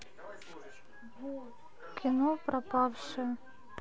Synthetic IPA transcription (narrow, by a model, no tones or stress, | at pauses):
kʲʰinɔpɾɐpɑwʂɨ